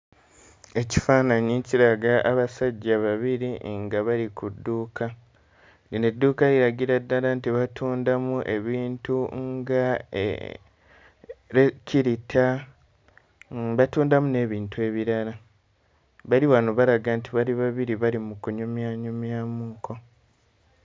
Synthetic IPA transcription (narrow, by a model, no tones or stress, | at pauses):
e̞ci̥faːnaɲeciɾaɡaʔːβasaɟːaβaβiɾiŋɡaβaɾikudːuːka | inedːuːkaɾiɾaɡiɾadːaɾantiβatʰuːndamuʔe̞βiːntuŋɡa̰ | ɾecʰiɾitʰa | βatuːndamune̞ːβiːntue̞ːβiɾaɾa | βaliβanoβaɾaɡantiβaliβaβiɾiβaɾimukuɲumjaːɲumjaːmuːko̞